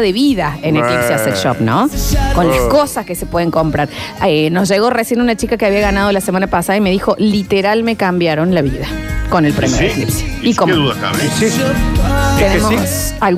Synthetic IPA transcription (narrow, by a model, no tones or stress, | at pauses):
ðeβiðaeneklipseasekʃo̰pnokonlaskosaskese̞pweðeŋko̞mpɾaɾenozʒe̞ɣo̞resjenunat͡ʃikakeaβiaɣanað̞o̞lasemãnapasaðaime̞ðixo̞lit̪eɾalme̞kambjaɾonlaβiðako̞nelpɾemeɾeklipse̥ikomðuðaka̰esi | t̪enemosalɣ